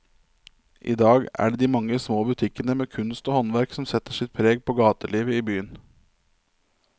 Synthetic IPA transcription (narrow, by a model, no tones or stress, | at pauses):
ʔḭːd̪ɑːɡæ̰ːɖeːd̪iːmɑŋːəsmoːbʉt̪ʰɪkənəmeːkʰʉnst̪oːhɔnʋæɾksɔmsɛt̪əʂɪt̪̚pʰɾeːɡ̚pʰoːɡɑːt̪əɭiːʋəiːbyːən